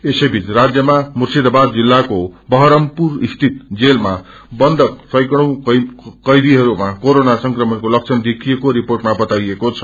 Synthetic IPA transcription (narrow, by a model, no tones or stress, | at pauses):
esʌjbʱit͡srad͡zjʌmamursid̪abad̪̚d͡zilːakobʌɦʌɾʌmpurist̪ʰit̪̚d͡zelma | bʌnd̪ʱʌksʌjkɽuw̃kʌjd̪iɦʌɾumakoɾonasʌŋkrʌmʌnkolʌk̚t͡sʰʌnd̪ekʰijekoɾiporʈmabʌt̪ajekot͡sʰʌ̥